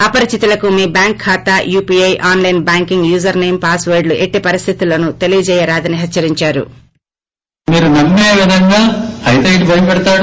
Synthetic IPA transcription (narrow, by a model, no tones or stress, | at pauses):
ɐpɐɾit͡ʃit̪ilɐkumiːbjaːŋkʰːaːt̪ajuːpiːɐjʔaːnlɐjnbaːŋkiŋɡjuːzɐɾneːmpaːsʋɐːɾɖluʔe̞ʈːipɐɾist̪ʰit̪ulɐnut̪e̞lijɐt͡ʃɛːjɐɾaːd̪ɐniɦɐtːt͡ʃːɐɾiɲt͡ʃaːɾṵ | miːɾunɐmːeːʋid̪ʱɐŋɡaːhɐjt̪ɐjʈbʱɐjpɛɽɐt̪aːɽ